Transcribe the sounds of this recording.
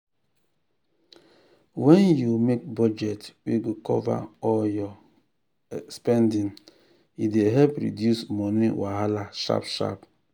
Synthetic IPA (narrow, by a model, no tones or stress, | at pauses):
wɛnjumek̚bɔd͡ʒɛtweɡokɔva̰ɔljɔ | spɛndĩn | ideɦɛlpɾḭdjusmɔniwaɦalaʃa̰pʃa̰p